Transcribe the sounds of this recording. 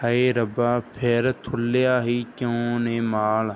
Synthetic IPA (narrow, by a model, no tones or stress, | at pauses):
həeːɾəbaːpʰeɾt̪ʰʊlːejaːɦiːkjõːneːmaːl